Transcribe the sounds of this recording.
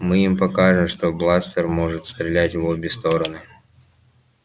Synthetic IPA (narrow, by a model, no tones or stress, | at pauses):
mɨimpɐkaʐɨmʂt̪oblˠasfʲərmo̞ʐɨt̪st̪ɾʲɪlʲætʲvobʲɪst̪o̞ɾənɨ